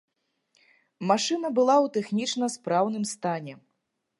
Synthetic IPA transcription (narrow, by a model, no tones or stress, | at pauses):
maʂɨnɐbɨlˠawt̪ɛxnʲit͡ʂnɐspɾawn̪ɨmst̪anʲɛ